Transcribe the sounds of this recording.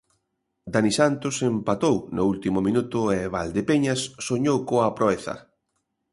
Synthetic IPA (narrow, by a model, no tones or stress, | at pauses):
d̪anisant̪osempat̪ownʊult̪imʊmĩnut̪ʊɛβald̪epeɲasːoɲowkoapɾoeθɐ̰